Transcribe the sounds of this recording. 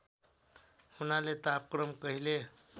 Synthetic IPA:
hunalet̪ap̚kɾəmkəɦile

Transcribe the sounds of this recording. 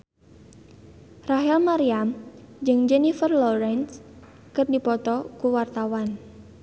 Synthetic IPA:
raɦɛlmaɾiamd͡ʒɨŋd͡ʒɛnifərlɔɾɛns | kərdipɔt̪ɔkuwart̪awan

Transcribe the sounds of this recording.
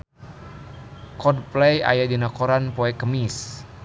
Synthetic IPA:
kɔdplɛja̰jadinakoɾanpoɛkəmis

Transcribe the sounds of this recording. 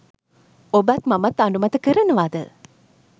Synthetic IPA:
obæt̪mamat̪aɳɖumat̪əkəɾənəʋaːd̪ə

